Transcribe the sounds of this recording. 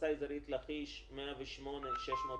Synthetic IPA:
ajizaɾit̪laχiʃmeaveʃmo̞neʃeʃmoːt

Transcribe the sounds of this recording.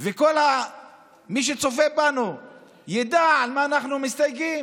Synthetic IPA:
vekolha | miʃ̬et͡sofebanu | jad̪aʕalmaːnaχnumist̪ajkim

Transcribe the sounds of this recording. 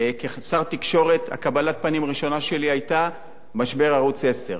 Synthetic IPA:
kesaʁt̪ikʃo̞ʁe̞t̪ha̰kabalat̚panimʁiʃo̞naʃe̞liajta | maʃbe̞ʁaʁut͡se̞se̞̰ʁ

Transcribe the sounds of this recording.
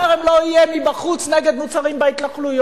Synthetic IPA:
eʁemloijemibaχut͡sneɡed̪mut͡saʁimbeit̪laχlujo

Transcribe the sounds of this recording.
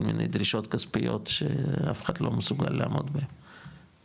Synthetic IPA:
lminḛjd̪ʁiʃo̞t̪kaspijo̞̰t̪ʃḛafe̥χat̪lo̞mesuɡalːaːmo̞d̪behem

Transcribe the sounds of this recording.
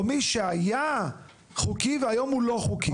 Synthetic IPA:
miʃeaja | χukiveajomhulo̞χuki

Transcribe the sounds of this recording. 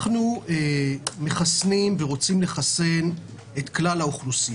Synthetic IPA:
χnueme̞χasnimveʁo̞t͡simle̞χase̞n | et̪klalaoχlusi

